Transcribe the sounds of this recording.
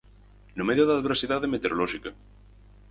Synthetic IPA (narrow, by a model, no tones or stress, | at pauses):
nomeðjoðaðβeɾsiðaðemet̪eɾolɔʃikɐ